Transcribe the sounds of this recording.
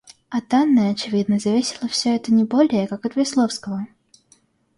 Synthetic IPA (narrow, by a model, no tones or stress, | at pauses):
ɐt̪anːəɐt͡ɕɪvʲid̪nəzɐvʲesʲɪlˠəfsʲɵɛt̪ənʲɪbo̞lʲɪjəkakɐt̪vʲɪslˠofskəvə